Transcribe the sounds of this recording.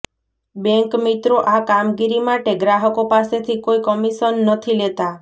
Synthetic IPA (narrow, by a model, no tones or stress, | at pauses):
beŋkmit̪ɾoʔakamɡiɾimaʈeɡɾaɦɔkopaset̪ʰikoikɔmisənːət̪ʰilet̪a